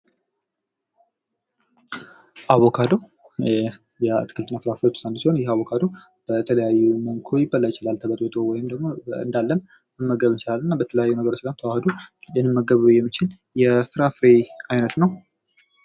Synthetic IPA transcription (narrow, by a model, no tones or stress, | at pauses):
ʔaβokʰad̪o | jɛt̪ʰɨ̥kʰɨlt̪ɨnːafɨɾafɾet̪ʰu̥sʼand̪siho̞njɛaβokʰad̪o | b̥ət̪ʰələjajːuməŋkʰojɪbəlːajɪt͡ʃɪlalt̪ʰəβət̪ʼot̪ʼowɔjɪmd̪əɡmo̞ɨ̰nd̪alːəm | ɨmːəɡəβɨnt͡ʃɪlalːɨnːabət̪ʰələjajːunəɡəɾo̞t͡ʃːlamt̪ʰəwahɨd̪ujɛnːɨmːəɡəβujɛmːɨt͡ʃʰɪl | jɛfɨɾafɾeajnət̪nəw